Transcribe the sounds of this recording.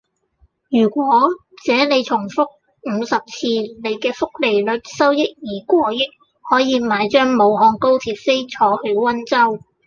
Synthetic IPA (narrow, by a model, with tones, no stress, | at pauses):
jyː˨˩kʷɔː˨˥ | t͡sɛː˨˥ne˨˧jt͡sʰʊ˨˩ŋfʊ˥k̚ | m̩ː˨˧sɐ˨p̚t͡sʰiː˧ne˨˧jkɛː˧fʊ˥k̚le˨˩jlɵ˨˧t̚sɐ˥wjɪ˥k̚jiː˨˩kʷɔː˧jɪ˥k̚ | hɔː˨˥jiː˨˧maː˨˧jt͡ʃœː˥ŋmo˨˧whɔː˧ŋko˥wt̪ʰiː˧p̚fe˥jt͡sʰɔː˨˥hɵ˧ɥwɐ˥nt͡sɐ˥w